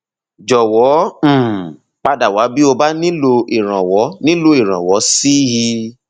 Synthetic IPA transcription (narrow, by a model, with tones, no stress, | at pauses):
d͡ʒɔ˨wɔ̃˨˦˨ | k͡pa˧da˨wa˨˦bi˦o˧ba˦nĩ˦lo˧i˨ɾ̃ã˨wɔ˨˦nĩ˦lo˧i˨ɾ̃ã̰˨wɔ˨˦si˦ji˧